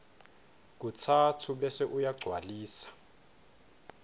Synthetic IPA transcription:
k̬utʰatʰuɓɛsɛʔujaɡ͡ǀʱwaliːsḁ

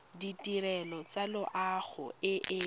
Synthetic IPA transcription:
ditʼiɾɛlɔt͡salʊʔaχʊ̰ɪʔɪ

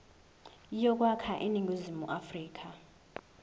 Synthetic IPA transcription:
jɔk̬ʼwakʰaʔiniŋɡʱuzimuʔafriːk̬ʰʼa

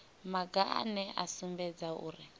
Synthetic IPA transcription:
maɡa̰nɛʔasumbɛd͡zaṵːri

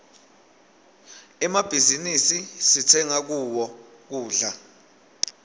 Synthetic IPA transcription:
ɛmab̥ʱizinisisit͡sʰɛŋak̬uwɔ | k̬uːɮa

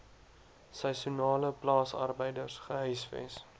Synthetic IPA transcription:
sɑsunɑːləplɑːsɐ̰rbəjdərsχəɦœjsfɛ̰s

